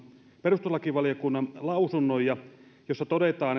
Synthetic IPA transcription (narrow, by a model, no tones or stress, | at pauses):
perust̪olɑkiʋɑlijokunːɑnlɑusunːojɑjosːɑt̪odet̪ɑːn